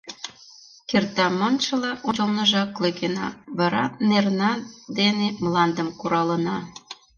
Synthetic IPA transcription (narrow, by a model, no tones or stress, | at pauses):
kert̪ɑmɤnt͡ɕəlɑʔot͡ɕəlnəʒɑkløkenɑ̰βɑɾɑnernɑd̪enemlɑnd̪ə̆mkuɾɑlə̆nɑ